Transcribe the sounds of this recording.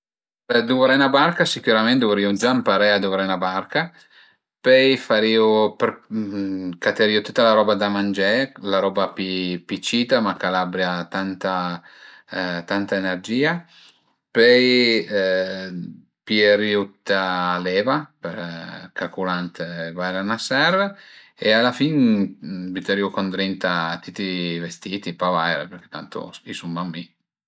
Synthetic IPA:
d̪uvɾɛnabaɾkasikuɾamɛnt̪vuɾiud͡ʒampaɾɛad̪uvɾɛnabaɾka | pɛjfaɾiːupɾ | kat̪eɾiːut̪ut̪ːalaɾɔbad̪amand͡ʒɛlaɾɔːbapipit͡ʃiːt̪amakalabɾjat̪ant̪a | t̪ant̪aenɛrd͡ʒiːa | pøj | pieɾjut̪ːalɛːvapeɾkakulant̪evajɾanasɛr | ealːafin | bit̪ɛɾjukond̪ɾint̪at̪it̪ivest̪iːt̪ipavajɾḛpeɾk̟e̥t̪ːant̪o̰spisumːamːi

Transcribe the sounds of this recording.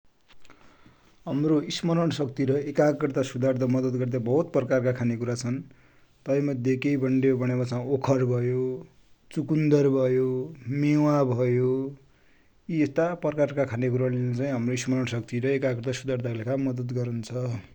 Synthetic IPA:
ɦamroismʌɾʌɳsʌkt̪iɾʌekakrt̪asud̪ʱard̪ʌmʌd̪ʌd̪ɡʌrd̪abʌɦut̪̚prʌkarkakʰanekuɾat͡sʰʌn | t̪ʌʌ̃jmʌd̪ʱekejbʱʌɳɖebʱʌɽ̃ebat͡saĩokʰʌrbʱʌjo | t͡sukund̪ʌrbʱʌjomewabʱʌjo | iest̪aprkarkakʰanek̬uɾalent͡saĩɦʌmroismʌɾʌɳsʌkt̪iɾʌekakrt̪asud̪art̪alekamʌd̪ʌt̪ɡʌɾunt͡sʰʌ

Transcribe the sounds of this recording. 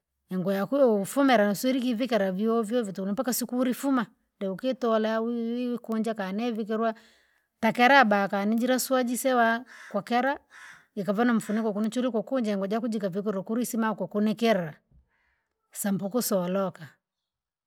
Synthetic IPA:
ɛŋɡɔjakujɔufumɛɾanasuiɾik̬ivikɛɾaviɔvjɔvitunipakasikuɾifuma | ndɛukɛtɔlawikuɲd͡ʒakanɛvik̬ɛɾwa | takɛɾabakanid͡ʒiɾaswad͡ʒisɛwakwakɛɾa | ikavanam̩funɛkakunit͡ʃuɾikwɔkund͡ʒaɛŋɡɔd͡ʒakud͡ʒikavik̬ɛɾɔkuɾisimakakunɛkɛɾa | sampɔkusɔlɔka

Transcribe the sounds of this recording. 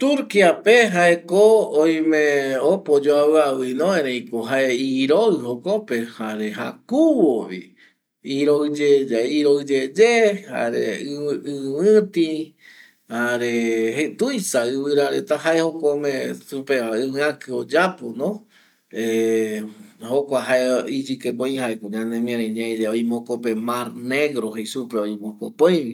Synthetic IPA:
t̪uɾkiapeɦaekoõj̃mẽopod͡ʒoaβɨawɨnõẽɾẽj̃koɦaeiɾoɨhokopehaɾeɦa̰kuwoβḭ | iɾoɨd͡ʒed͡ʒaiɾoɨd͡ʒed͡ʒeha̰ɾḛɨɨwɨ̃t̪ĩ | haɾeɦet̪ujsaɨβɨɾaɾet̪aɦaehokomẽsupeβaɨβɨ̃ãkɨod͡ʒaponõ | e | hokʷaɦaeid͡ʒɨkepõj̃haekoɲãnẽmĩãɾẽɲãẽd͡ʒeojmõkope̞maɾne̞ɡɾoɦesupeojmõkopojβi

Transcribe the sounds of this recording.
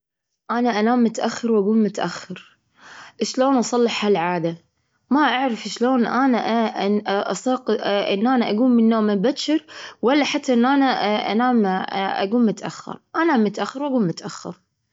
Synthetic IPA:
ʔanaʔanaːmːʊt̪ʔaxːɑɾwʔaɡuːlmʊt̪ʔaxːɑɾ | ʔʃloːnʔɑsˤɑlːɪħhalʕaːd̪a | maʔaʕɾɪfʃloːnʔanaʔ | ʔɑsˤɑːqʔɪ̰nːʔaːnaʔaɡuːmmɪnːoːmɪbaʃɪɾwalːaħat̪ːaʔɪnːʔanaʔa̰naːmʔa̰ɡuːlmʊt̪ʔa̰xːɑ̰ɾˤʔanamːʊt̪ʔaxːɑɾwʔaɡuːlmʊt̪ʔaxːɑ̰ɾ

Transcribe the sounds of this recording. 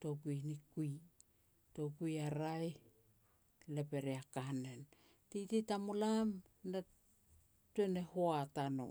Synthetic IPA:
to̞kujnikuj | to̞kujaɾaj | le̞pe̞ɾeakane̞n | tijtitamolam | na | tue̞nehoatano̰

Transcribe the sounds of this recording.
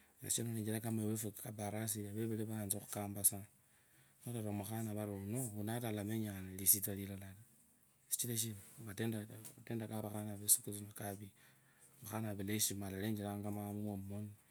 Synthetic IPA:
na̰ʃonoled͡ʒiakamewefukabaɾas̬iaβeβeleβanzaxukaːmbasa | noɾaɾomuxanaβaɾounounatalameɲanalisit̬alilalali | si̥t͡ʃileʃ̬imbatendateːndakaβaxanaβesukusinakaβi | baxanaβeleʃimalaleːɲd͡ʒilaŋɡamamumomoni

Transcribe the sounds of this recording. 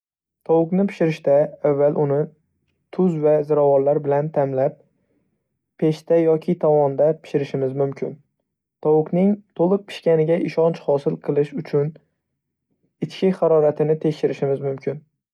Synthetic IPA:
t̪ʰɒwʊknɪpʰɪ̥ʃɪɾɪʃt̪aavːalˠʔʊnɪ | t̪ʰʊzvazɪɾavɒllaɾbɪlant̪ʰamlap̚ | e̞ʃt̪ajɒkʲʰɪt̪ʰɒwɒnd̪apʰɪ̥ʃɪɾɪʃɪmɪzmʊmkʲʰɪn | t̪ʰɒwʊknɪŋt̪ʰolˠɨq̚pʰɪ̥ʃkʲanɪɡʲaʔɪʃɒnt͡ʃhɒsɪlˠqʰɨlˠɪʃʊt͡ʃʰʊn | ɪt͡ʃkʲʰɪχaɾɒɾat̪ʰɪnɪt̪ʰe̞kʲʃɪɾɪʃɪmɪzmʊmkʰʲɪn

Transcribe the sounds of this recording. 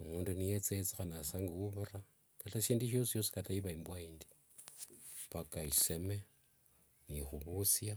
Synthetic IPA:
muːndunijet͡set͡sixanasaŋɡiwuβura | kataʃiːndiʃ̬o̞sijo̞si̥kataiβaimbwaiːndi̥ | pakaiseme | nixuβusja

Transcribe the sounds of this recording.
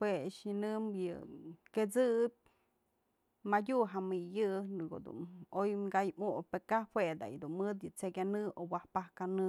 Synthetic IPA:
hweʂjɨnɨmjɨ̰ket͡sɨp̚ʲ | madʲuʔɦamɨjɨnɨko̰d̪ṵnojmɡajmuʔpekahwed̪a̰jd̪unmɨd̪jɨt͡sekʲanɨowahpahkanɨ

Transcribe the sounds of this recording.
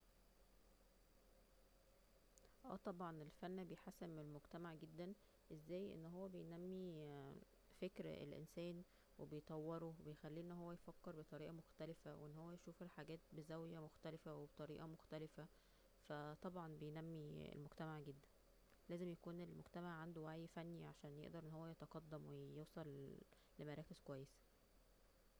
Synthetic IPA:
ʔæ̰ːt̪ˤɑbʕɑnelfænːbejħasemːelmoɡt̪æmaʕɡed̪ːæn | ʔezːæːjʔḛnːɦowːæbejnæmːi | fekɾḛlʔḛnsæːn | webejt̪ˤɑwːeɾobejxælːiʔenːɦowːæjfækːeɾbet̪ˤɑɾiːʔɑmoxt̪ælefæweʔenːhowːæjʃuːfelħaɡæːt̪̚bezæwjæmoxt̪ælefæwebet̪ˤɑɾiːʔɑmoxt̪ælefæ | fæt̪ˤɑbʕɑnbejnæmːiḛlmoɡt̪æmaʕɡed̪ːæn | læːzemjækuːnelmoɡt̪æmaʕːand̪owæʕifænːiʕaʃæːnjḛʔd̪ɑɾˤʔenːhowːæjet̪ɑqɑd̪ːæmwejowsˤɑlː | emæɾˤæːkez̥kowæjːesæ̥

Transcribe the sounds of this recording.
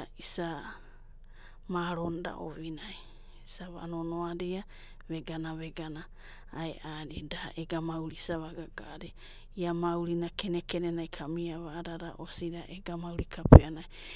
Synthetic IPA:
isa | maɾonda̰ʔo̰βinaj | isaβa̰nonoaɾia | βeɡanaβeɡanaː | eʔaɾidaʔeɡamauwɾisaβaɡaɡ̥aɾi | iamawɾinakenekenenajkʰamiaβaːɾaɾa̰ʔosiɾaʔeɡamawɾikʰapeanaj

